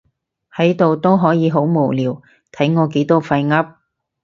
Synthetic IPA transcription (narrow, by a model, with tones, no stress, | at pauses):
hɐ˨˥jt̪o˨wt̪o˥wɦɔː˨˥jiː˨˧ɦo˨˥wmo˨˩wliː˨w | t̪ʰɐ˨˥jŋɔː˨˧k̬e˨˥jt̪ɔː˥fɐ˧jŋɐ˥p̚